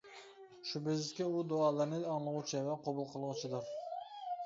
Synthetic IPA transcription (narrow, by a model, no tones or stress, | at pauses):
ʃubɪzkʲɛud̪oɑːlˠɨɾnɪɑŋlˠəʁut͡ʃʰɪvɛqʰobʊlˠqʰəlˠʁʊt͡ʃʰɪd̪ʊɾ